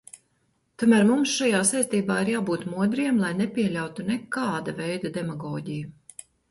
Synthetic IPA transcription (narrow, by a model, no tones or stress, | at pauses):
t̪uɔmæːɾmumsʃajaːsajst̪iːbaːiɾjaːbuːt̪muɔd̪ɾijɛmlˠajnɛpʲiɛlʲawt̪unɛkaːd̪avɛjd̪ad̪ɛmaɡɔːɟiju